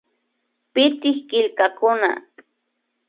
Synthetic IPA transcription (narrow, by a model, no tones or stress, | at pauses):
pɪt̪ɪhkɪlkakʊna̰